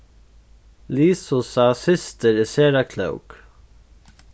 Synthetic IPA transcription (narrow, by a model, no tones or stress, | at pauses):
liːsusaːsɪst̪əɾɪseːɾakʰlœ̰wk